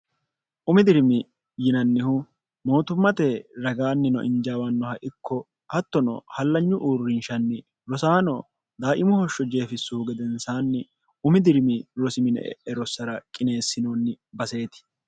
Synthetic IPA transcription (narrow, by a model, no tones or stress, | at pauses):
ʔʊmɪd̪ɪɾmɪ | jɪnɐnːɪhʊ | mo̞ːt̪ʊmːɐt̪ɛɾɐɡaːnːɪnɔ̰ʔɪnd͡ʒaːwɐnːɔhɐʔɪkʰːɔ | hɐt̪ːɔnɔ̰hɐlːɐɲːʊʔuːrːɪnʃɐnːɪ | ɾɔsaːnɔ̰ | d̪aːʔɪmʊhɔʃːɔd͡ʒe̞ːfɪsːʊhʊɡɛd̪ɛnsaːnːɪ | ʊmɪd̪ɪɾmɪɾɔsɪmɪnɛ̰ʔɛ̰ʔɛɾɔsːɐɾɐkʼɪne̞ːsːɪnoːnːɪbɐse̞ːt̪ɪ̥